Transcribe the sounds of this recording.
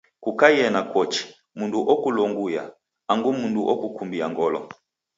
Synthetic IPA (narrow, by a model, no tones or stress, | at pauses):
kukajɛnakwɔt͡ʃi̥ | munduʔɔkulɔŋɡuja̰ | aŋɡumunduʔɔkukumbiaŋɡɔlɔ̰